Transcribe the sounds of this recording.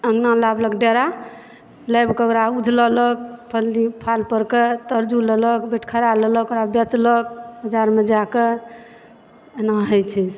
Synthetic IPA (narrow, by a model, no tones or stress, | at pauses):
əŋɡnãlabləkɖeɾa | ləbkəɡɾaud͡ʒʱlələk̚pʰəllipʰalpəɾket̪əɾd͡ʒulələkbeʈʰkʰəɾalələkoɾabɛt͡ʃlək̚həd͡ʒaɾmed͡ʒake | naɦəjt͡ʃʰis